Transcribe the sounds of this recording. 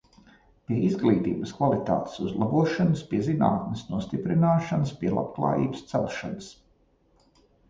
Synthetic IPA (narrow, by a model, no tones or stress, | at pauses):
pʲiɛizɡlˠiːt̪ḭːbəskvalˠit̪a̰ːt̪e̥suzlˠabuɔʃanəspiɛzina̰ːt̪̚nɪsnuɔst̪ipɾinaːʃanəspiɛlˠa̰pklˠa̰ːjḭːbə̥st̪sɛlˠʃanəs